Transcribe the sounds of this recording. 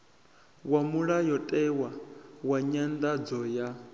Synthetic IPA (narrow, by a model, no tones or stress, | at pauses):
wamuɺajɔtʼɛwawaɲand̪ad͡zɔja